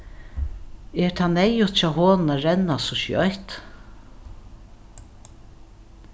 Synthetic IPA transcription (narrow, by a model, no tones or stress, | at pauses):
ɛɾt̪ʰaːnɛjʊt̪t͡ʃaɦoːnnaɾɛnːasɔʃj̰ɔ̰jt̪